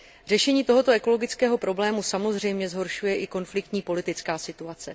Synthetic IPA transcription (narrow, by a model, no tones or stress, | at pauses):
r̝ɛʃɛɲiːt̪o̞ɦo̞t̪o̞ɛko̞lo̞ɡɪt͡skɛːɦo̞pɾo̞blɛːmusamo̞zr̝ɛjmɲɛzɦo̞ɾʃujɛʔɪko̞nflɪk̚t̪ɲiːpo̞lɪt̪ɪt͡skaːsɪt̪uat͡sɛ